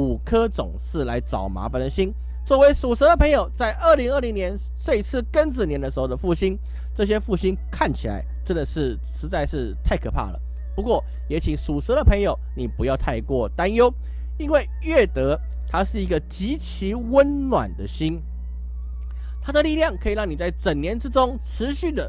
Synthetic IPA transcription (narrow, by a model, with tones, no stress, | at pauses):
u˨˩kʰɤ˥t͡sʊ̰˨˩ŋʂɻ̩˥˩la˧˥ɪʈ͡ʂɑ˨˩ʊma̰˧˥fa˨nd̪ə˨˩ɕi˥ŋ | t͡swɔ˥˩we˧˥ɪʂu˨˩sɤ˧˥d̪ə˨pʰɤ˧˥ŋjo˨˩ʊt͡sa˥˧ɪʔə˥˩li˧˥ŋə˥˩li˧˥ŋnjɛ˧˦˥n | swe˥˧ɪt͡sʰɹ̩˥˩kə˥nt͡s̩˨˩njɛ˧˥nd̪ə˧ʂɻ̩˧˥xo˥˩ʊd̪ə˨˩fu˥˩ɕi˥n | ʈ͡ʂɤ˥˩ɕ̬jɛ˥fu˥˩ɕi˥nkʰa˥˩nt͡ɕʰi˨˩la̰˧˦ɪʈ͡ʂə˥nd̪ə˨ʂɻ̩˥˩ | ʂɻ̩˧˥t͡sa˥˧ɪʂɻ̩˥˧t̪ʰa˥˩ɪkʰɤ˨˩pʰa̰˥˩lə̰˩ | pu˧˥kwɔ˥˩ | jɛ˧˥t͡ɕʰi˨˩ŋsu˨˩sɤ˧˥ɾə˨pʰɤ˧˥ŋjo˨˩ʊni˨˩pu˧˥jɑ˥˧ʊt̪ʰa˥˧ɪkwɔ˥˩t̪a˥˦njo˥ʊ | i˥nwe˥˩ɪɥɛ˥˩t̪ɤ˧˥ | t̪ʰa˥ʂɻ̩˥˩i˧˥ɡə˧t͡ɕi˧˥t͡ɕʰi˧˥wə˦nnwa̰˨˩nd̪ə˦ɕi˥n | t̪ʰa˥d̪ə˨li˥˧ljɑ˥˩ŋkʰɤ˧˥i˨˩ɻɑ˥˩ŋni˨˩t͡sa˥˩ɪt͡sə˨˩ŋnjɛ˧˥nʈ͡ʂɻ̩˥ʈ͡ʂʊ˥ŋʈ͡ʂʰɻ̩˧˦ɕy˥˩d̪ə˩